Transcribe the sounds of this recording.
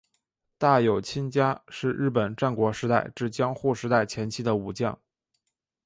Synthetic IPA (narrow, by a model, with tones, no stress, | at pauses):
t̪a˥˩jo˨˩ʊt͡ɕʰi˥nt͡ɕja˥ʂɻ̩˥˧ɻ̩˥˩p̬ə˨˩nʈ͡ʂa˥˩nkwɔ˧˥ʂɻ̩˧˥t̪a˥˧ɪʈ͡ʂɻ̩˥˩t͡ɕjɑ˥ŋxu˥˩ʂɻ̩˧˥t̪a˥˩ɪt͡ɕʰjɛ˧˥nt͡ɕʰi˥d̪ə˨u˨˩t͡ɕjɑ̰˥˩ŋ